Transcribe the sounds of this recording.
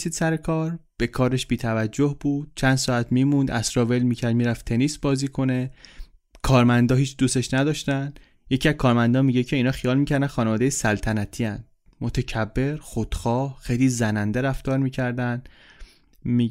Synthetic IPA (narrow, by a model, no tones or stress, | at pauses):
siːd̪sæɾekʰɒːɾb̥e̞kʰɒːɾeʃbiːt̪ʰævæd͡ʒːohb̥uːd̪̥̚t͡ʃʰænd̪sɒːæt̪ʰmiːmũnd̪æsɾɒːve̞lmiːcʰæɾd̪̚miːɾæft̪ʰe̞nisbɒːziːkʰo̞ne̞ | kʰɒːɾmænd̪ɒːɦiːt͡ʃʰd̪uːseʃnæd̪ɒːʃt̪æn | je̞cʰiæzkʰɒːɾmænd̪ɒːnmiːɟecʰe̞iːnɒːxijɒːlmiːcʰæɾd̪ænxɒːnevɒːd̪ejesælt̪ʰænæt̪ʰiːænd̪̥ | mot̪ʰecʰæbːe̞ɾxod̪̥xɒːhxejliːzænænd̪eɾæft̪ɒːɾmiːcʰæɾd̪æn | mi